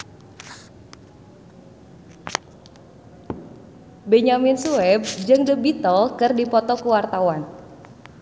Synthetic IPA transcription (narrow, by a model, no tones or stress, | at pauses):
beɲaminsuɛb̚d͡ʒɨŋdəbit̪ɔlkɨrdipɔt̪ɔkuwart̪awan